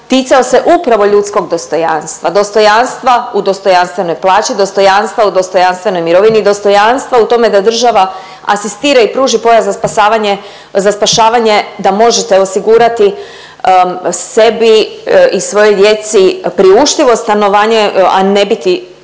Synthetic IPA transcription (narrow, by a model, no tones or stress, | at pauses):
t̪iːt̪saose̞ʔupɾaʋo̞ʎut̪sko̞ɡd̪o̞st̪o̞ja̰nst̪ʋad̪o̞st̪o̞janst̪ʋaud̪o̞st̪o̞janst̪ʋe̞no̞jplˠaːt͡ʃid̪o̞st̪o̞janst̪ʋaud̪o̞st̪o̞janst̪ʋe̞no̞jmiɾo̞ʋiniːd̪o̞st̪o̞janst̪ʋaut̪o̞me̞d̪ad̪r̩ʒaʋa | a̰sist̪iːɾaipɾuːʒipo̞jazaspasaːʋaɲe | zaspaʃaːʋaɲe̞d̪amo̞ʒet̪e̞osiɡuːɾat̪i | se̞biisʋo̞jo̞jd̪je̞t̪sipɾiuʃt̪iʋo̞st̪ano̞ʋaːɲeane̞bit̪i